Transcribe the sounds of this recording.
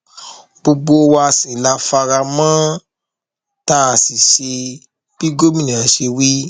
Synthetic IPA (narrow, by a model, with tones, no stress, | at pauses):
bo˧ɡ͡bo˧wa˧sĩ˨la˧˦fa˧ɾa˧mã˦ | ta˦a˧˨si˨ʃe˧ | b̥i˦ɡo˦mĩ˦nĩ˨a˨ʃe˧wi˦